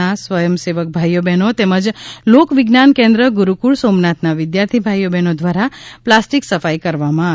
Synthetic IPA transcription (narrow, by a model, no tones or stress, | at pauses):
asʋəjəmseʋək̚bʱajːobɛnot̪eməd͡ʒlokʋɪɡnankẽnd̪ɾəɡuɾukuɭsomnat̪naʋɪd̪jaɾt̪ʰibʱajobɛnod̪ʋaɾaplasʈiksəfajkəɾʋamãa